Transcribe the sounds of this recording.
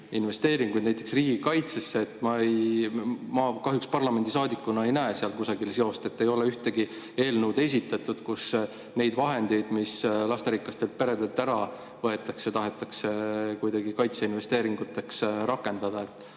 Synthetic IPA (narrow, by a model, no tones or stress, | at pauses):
inve̞st̪e̞ːɾiŋɡujd̪næjt̪ːˑe̞ksriːɡ̥ikɑjt̪sesːe̞ːt̪ːˑmɑej | mɑkɑɦjukspɑrlɑme̞nd̪̥ʲisɑːd̪ikːˑunɑe̞jnæeseɑlkusɑɡilseo̞st̪e̞t̪ːe̞jo̞leyht̪e̞ɡi | e̞ːlnuwd̪e̞s̬ʲit̪ːˑɑt̪ːˑud̪̥kus | ne̞jd̪vɑɦe̞nd̪e̞jd̪mislɑst̪eɾikˑːɑst̪e̞lt̪̚pe̞ɾe̞d̪e̞lt̪ːæɾɑ | vɤe̞t̪ːˑɑkset̪ɑɦe̞t̪ːˑɑkse̞kujd̪̥ɑɡikɑjt̪seinve̞st̪e̞ːɾiŋɡ̥ut̪ːˑe̞ksɾɑkːˑe̞nd̪̥ɑd̪̥ɑe̞t̪ːˑ